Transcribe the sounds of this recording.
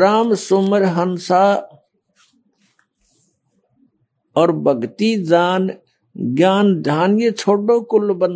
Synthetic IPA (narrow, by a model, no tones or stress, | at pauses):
ɾaːmsʊməɾɦənsa | ɔːɾbəɡt̪id͡ʒaːn | ɡjaːnd̪ʱaːnɪjət͡ʃʰoːɖõkʊlːbən